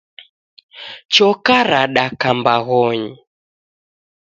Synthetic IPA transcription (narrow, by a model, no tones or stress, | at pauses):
t͡ʃɔkaɾaɗakambaɣɔɲi